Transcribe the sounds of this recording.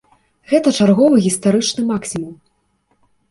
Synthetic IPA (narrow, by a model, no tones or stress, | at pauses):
ɣɛt̪ɐt͡ʂarɣɔvɨɣʲist̪aɾɨt͡ʂnɨmaksʲimum